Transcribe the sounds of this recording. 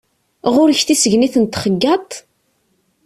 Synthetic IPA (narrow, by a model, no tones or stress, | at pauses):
ʁʊɾəçθisəʝniθənt̪χəɡːɑt̪ˤ